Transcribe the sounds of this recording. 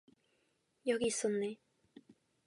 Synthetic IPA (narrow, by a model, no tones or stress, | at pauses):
jʌɡiːsːɔnːe